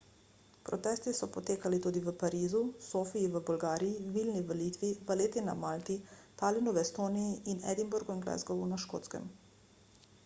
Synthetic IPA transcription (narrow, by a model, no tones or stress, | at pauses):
pɾɔt̪ɛːst̪isɔpɔt̪eːkalit̪uːd̪iʋəpaɾiːzusoːfiiʋəbɔlɡaːɾijiʋiːlniʋɐliːt̪ʋiʋəleːt̪ina̰malt̪it̪aːlinuʋɛst̪oːnijiʔinɛ̰d̪imbuɾɡuinɡlɛ̰zɡɔʋunaʃko̰ːt̪skɛ̰m